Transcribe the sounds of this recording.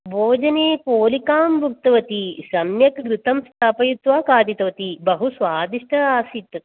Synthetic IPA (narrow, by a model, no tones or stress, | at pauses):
bʱoːd͡ʒɐneːpoːlikaːmbʱuk̚t̪ɐʋɐt̪isɐmjɐkɡɾɪt̪ɐmst̪ʰaːpɐjut̪ʋaːkaːd̪it̪ɐʋɐt̪ibɐɦusʋaːd̪iʂʈʰɐaːsit̪ːɐt̪